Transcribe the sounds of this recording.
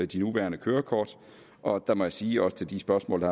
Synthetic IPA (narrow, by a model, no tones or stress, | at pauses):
d̥inuʋæ̰ːɐnəkʰøːɐkʰɒ̰ːd̥ | ʔɒ̽d̥ɑ̈mɒ̽jæsiːɒ̽sə̥t͡sʰe̝ld̥isb̥ɶɐsmɔ̰̽ːld̥ɑ